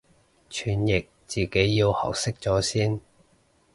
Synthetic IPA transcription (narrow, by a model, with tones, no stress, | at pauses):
t͡ʃʰyː˨˩njɪ˨k̚t͡siː˨ke˨˥jːiː˧whɐ̰˨˩wsɪ˥k̚t͡sɔː˨˥siː˥n